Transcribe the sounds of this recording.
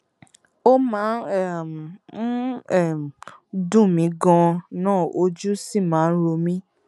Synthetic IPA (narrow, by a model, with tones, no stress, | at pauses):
o˦mãː˨˦ɛ˦˨m̩˨˦˨ | dũ˦˨mĩ˨˦ɡɔ̃˧nãː˦˨o˧˦d͡ʒu˦si˦˨mãː˨˦ɾo˧mĩ˦